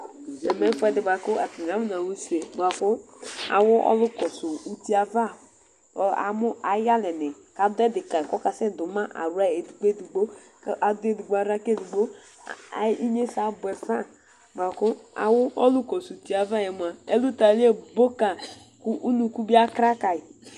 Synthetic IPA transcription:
ɛ˨mɛ˦fɛ˦dɪ˨ba˨kʊ˦a˨ti˨a˨˦mu˦na˨wu˦se˨ba˨kʊ˦a̰˨wʊ˦ʔɔ̰˦lʊ˦kɔ˨su˨u˨ti˦a˨va˦˨ | a̰˨mʊ˦a˨˦ja˦lɛ˨nɪ˨ | ka˨dʊ˦ɛ˦dɪ˨ka˨kɔ˦ka˨sɛ˦dʊ˨ma˦ʔa̰˨ɾu˦a˦e˨du˨ɡ͡be˦˨du˨ɡ͡bo˦ | kʔa˨dʊ˦e˨du˨ɡ͡bo˨˦a˨ɾa˦ke˦du˨ɡ͡bo̰˦˨ | i˦ɲe˦sa˨bʊ˨ɛ˨fa˦ | ba˨kʊ˦a̰˨wʊ˦ʔɔ˦lʊ˦kɔ˨su˨u˨ti˨a˨va˦˨jɛ˨mu˨a˨e˦lu˦ta˨li˦e˦bo˦ka˨ | ku˦ʔu˦nu˨ku˦bi˦a˦kɾa˦ka˨i˨

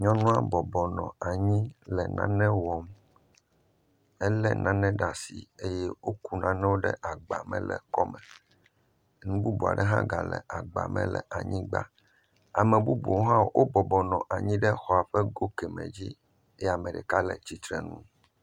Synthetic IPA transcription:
ɲɔ̃˦nũ˦a˦bɔ˨bɔ˨nɔ̃˨a˨ɲĩ˦lɛ˨nã̰˦nɛ̃˦wɔ˨m | ɛ˦lɛ˦nã˦nɛ̃˦ɖa˨si˨e˦jɛ˦wo˦ku˦nã˦nɛ̃˦wo˦ɖɛ̰˦ʔa˨ɡ͡ba˨mɛ̰̃˦lɛ̰˨kɔ˦mɛ̃˨ | nũ˦bu˦bu˨a̰˨ɖɛ˦ɦã̰˦ɡa˨lɛ̰˨ʔa˨ɡ͡ba̰˨mɛ̰̃˦lɛ̰˨ʔa˨ɲĩ˦ɡ͡ba̰˦ | a˨mɛ̃˨bu˦bu˨wɦã˦wʔo˦bɔ˨bɔ˨nɔ̃˨ʔa˨ɲĩ˦ɖɛ˦xɔ˨a˨ɸɛ˦ɡo˦kɛ˨mɛ̰̃˨d͡ʑi˦ | e˦ja˨mɛ̃˨ɖɛ˨ka˦lɛ˨t͡ɕi˨t̪ɾɛ˨nũ˦

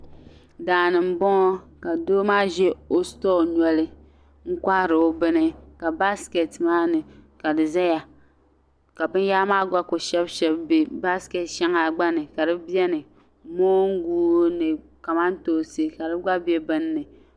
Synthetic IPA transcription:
daː˨nɨ˨m̩˨bɔ˦ŋɔ˦ka˨doː˦maː˦ʒɛ˦o˦stɔ˦ɲɔ˦lɨ˦ | ŋ̩˦ka˦ɾɨ˨o˦bɨ˦nɨ˦ka˨ba˦ske˨tmaː˦nɨ˨ka˨dɨ˨za˦ja˨ | ka˨bɨ˦n˦jaː˦maː˦ɡa˦ko˨ʃɛ˦bʃɛ˦bbi˨ba˦skɛ˨tʃɛ˦ŋa˨ɡ͡ba˦nɨ˨ka˨dɨ˦bi˦ɛ˦nɨ˨ | moː˦ŋ̩˦ɡuː˦nɨ˨ | ka˨ma˦n˦toː˦˨sɨ˦ka˨dɨ˦ɡa˦bɛ˦bɨ˦nːɨ˨

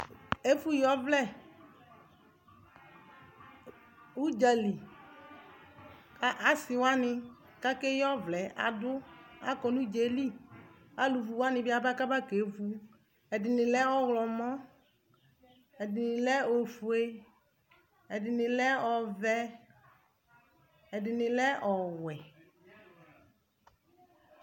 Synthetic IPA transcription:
e˦fu˦jɔ˦vlɛ˦˨ | u˦d͡ʒa˨li˨ | a˦ʔa˨sɪ˨wa˦nɪ˦ | ka˦kɛ˦jɔ˦vlɛ˨a̰˨dʊ˦a̰˦kɔ˨nũ˦d͡ʒe˨˦li˦ | a˨lu˨vu˨wa˦nɪ̃˦bɪ˦a˨ba˦ka˦ba˦ke˨˦vu˦ | ɛ˨dɪ˨nɪ˨lɛ˦ɔ˦ɣlɔ˨mɔ˦ | ɛ˨dɪ˨nɪ˨lɛ˦o˨fu˨e˦ | ɛ˨dɪ˨nɪ˨lɛ˦ɔ˨vɛ˦ | ɛ˨dɪ˨nɪ˨lɛ˦ʔɔ˨wɛ˨

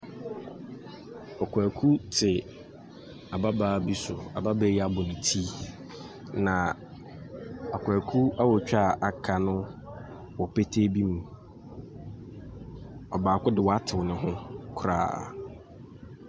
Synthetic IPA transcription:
ɔ˨kʷʰæː˨kʰu˦tʰɪ˨ | a˨ba˦baː˨bi˦sʊ˨a˨ba˦ba˦ja˦bʊ˨nɪ̃˨tʰi˦ | nã˨ | a˨kʰʷa˨kʰu˦a˦wɔ˨t͡ɕᶣa˦˨ʔa˨kʰa˨nʊ̃˦ | wɔ˨pe˦tʰe˦bi˦mũ˨ | ɔ˨baː˨kʊ˦dɪ˨wɔ˨a˦tʰɪ˨wnʊ̃˨ɦʊ̃˦kʰʊ˦ɾa̰ː˨

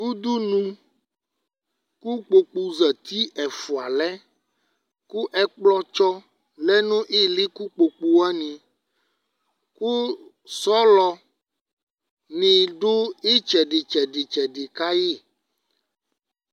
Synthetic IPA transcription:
ŋu˦d̪u˦nũ˦ | ku˦k͡po˨k͡pu˨zɛ˨t̪i˦ʔɛ˨fu˨a˨lɛ˦ | ku˦ʔɛ˦k͡plɔ˦t͡ʃɔ˦ | lɛ˦nũ˦ʔe˦li˦ku˦k͡po˨k͡pu˨a˦nĩ˨ | ku˦ | sɔ˦lɔ˨ | nĩ˨ɖo˦e˦t͡ʃɛ˨ɖe˨t͡ʃɛ˨ɖe˨t͡ʃɛ˨ɖe˨ka˦je˦˨

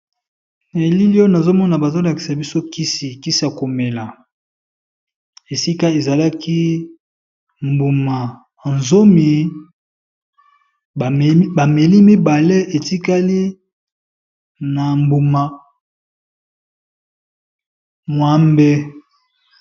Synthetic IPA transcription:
ne˨li˦li˦o˦na˨zo˦mɔ˦na˨ba˨zo˦la˨ki̥˨sa˨bi˦so˦ki˦si˨ki˦si˦ja˨ko˨me˨la˨ | e˨si˦ka˦e˨za˨la˦kʰi˦ | mbu˨ma˨ | nzo˦mi˨ | ba˨me˨li˦mi˦ba˨le˦e˨ti˦ka˦li˦ | na˨mbu˨ma˨ | mwa˦mbɛ˦

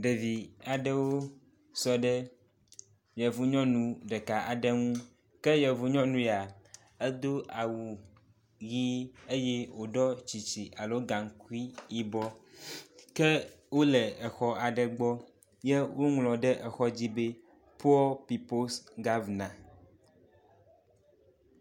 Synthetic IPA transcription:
ɖe˨vi˨a˨ɖɛ˦wo˦ | sɔ˦ɖɛ˦ | jɛ˨vu˦ɲɔ̃˦nũ˨ɖɛ˨ka˨a˨ɖɛ˦ŋũ˦ | kɛ˦jɛ˨vu˨ɲɔ̃˦nũ˦ja˨ | ɛ˦d̪o˦ʔa˨wu˨ | ɣi˦e˦jɛ˦wo˨ɖɔ˦t͡ɕi˨t͡ɕi˨ʔa˨lo˦ɡã˨ŋ˨˦ku˦i˦i˦bɔ˦ | kɛ˦ | wo˦lɛ˨ɛ˨xɔ˦a˨ɖɛ˨ɡ͡bɔ˦ | jɛ˦wo˦ŋlɔ̃˨ɖɛ˦ʔɛ˨xɔ˦d͡ʑi˦be˦ | pu˦ɔ˦pi˨po˦sɡa˦vnã˨

